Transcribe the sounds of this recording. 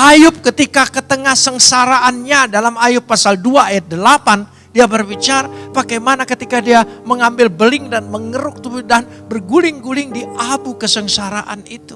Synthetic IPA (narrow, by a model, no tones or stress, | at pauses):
ʔajʊp̚kət̪ikakət̪əŋahsəŋsaɾaʔanɲadalamajʊpːasalduaːjat̪̚dəlapan | diabərbit͡ʃaɾapakajmanakət̪ikadiaməŋambɪlbəlɪŋdanməŋəɾʊk̚t̪ubdanbərɡulɪŋɡulɪŋdiʔabukəsəŋsaɾaʔa̰nit̪u̥